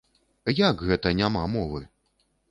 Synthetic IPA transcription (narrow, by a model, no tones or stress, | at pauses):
jakɣɛt̪ɐnʲamamɔvɨ